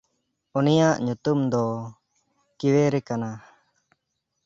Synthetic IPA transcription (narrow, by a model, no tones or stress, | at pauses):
unijaʔɲut̪umd̪ɔ | kiwɛɾɛkana